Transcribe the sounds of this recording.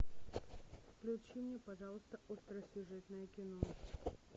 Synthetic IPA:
fklʲʊt͡ɕimnʲepɐʐalˠəst̪əʔost̪ɾəsʲʊʐɛt̪nəjəkʲɪno

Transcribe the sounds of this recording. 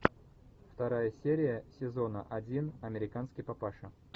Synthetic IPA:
ft̪ɐɾajəsʲeɾʲɪjəsʲɪzo̞nə̰ʔɐdʲinɐmʲɪɾʲɪkanskʲɪjpɐpaʂɨ

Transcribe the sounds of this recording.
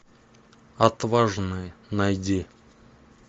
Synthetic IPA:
at̪vaʐnɨjənajdʲi

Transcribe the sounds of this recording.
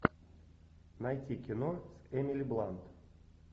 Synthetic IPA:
najtʲikʲinosɛmʲilʲiblˠant̪

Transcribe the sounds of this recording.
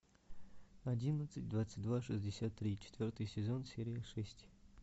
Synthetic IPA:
ɐdʲinət̪sɨtʲd̪vat̪sɨ̥t̚ʲd̪vaʂɨzʲdʲɪsʲat̪ːɾʲit͡ɕɪ̥t̪vʲort̪ɨjsʲɪzo̞nsʲeɾʲɪjəʂɛsʲtʲ

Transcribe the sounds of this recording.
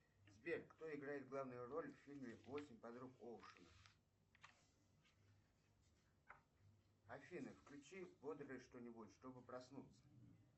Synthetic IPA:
zʲbʲerkkt̪o̞ɪɡɾajɪt̪̚ɡlˠavnʊjʊro̞lʲfʲfʲilʲmʲɪvo̞sʲɪmʲpɐd̪ɾukolˠʂɨnəf | ɐfʲinəfklʲʉt͡ɕivod̪ɾəɪʂt̪o̞nʲɪbutʲʂt̪o̞bɨpɾɐsnut̪sə̥

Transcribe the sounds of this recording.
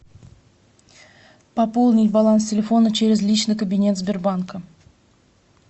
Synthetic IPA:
pɐpolˠnʲɪtʲbɐlˠanstʲɪlʲɪfo̞nət͡ɕeɾʲɪzlʲit͡ɕnɨjkəbʲɪnʲe̞t̪zbʲɪrbankə

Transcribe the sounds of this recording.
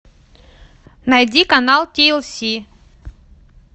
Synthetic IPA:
najdʲikanalˠtʲielˠsʲi

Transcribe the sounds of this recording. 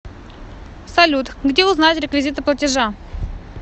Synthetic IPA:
sɐlʲut̪ɡdʲeʊznajɪt̪ɾʲɪkvʲɪzʲit̪ɨplˠətʲɪʐa

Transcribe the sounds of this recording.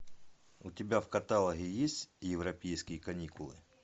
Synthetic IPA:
ʊtʲɪbʲafkɐt̪alˠəɣʲɪjesʲtʲjɪvɾɐpʲejskʲɪjəkɐnʲikʊlˠɨ̰

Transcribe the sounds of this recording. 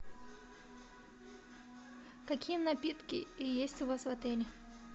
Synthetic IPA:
kɐkʲijənɐpʲit̪kʲɪ̰jesʲtʲʊvasvɐt̪ɛlʲɪ

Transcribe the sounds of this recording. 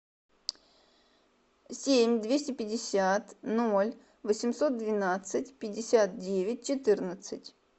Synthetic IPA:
sʲemʲd̪vʲesʲtʲɪpʲɪdʲɪsʲat̪nolʲ | vəsʲɪmso̞t̪̚d̪vʲɪnat̪sɨtʲpʲɪdʲːɪsʲat̪̚dʲevʲɪt̚ʲt͡ɕɪt̪ɨrnət̪sɨtʲ

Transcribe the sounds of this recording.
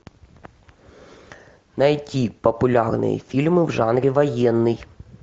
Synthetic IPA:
nɐjtʲipɔpʊlʲɑrnɪ̰jḭfʲilʲmɪwʐɑnɾʲiʋɔjɛnːɪj

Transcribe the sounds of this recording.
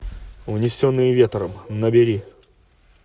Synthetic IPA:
vnʲɪsʲonːɨjɪvʲet̪ɾəmnəbʲɪɾʲi

